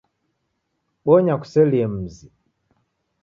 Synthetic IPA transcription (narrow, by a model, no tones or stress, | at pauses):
ɓɔɲaku̥sɛliɛm̩zi